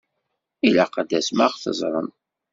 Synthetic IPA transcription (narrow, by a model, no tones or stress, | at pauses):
ilaqəd̪æsmaʁθə̰zˤɾˤə̰n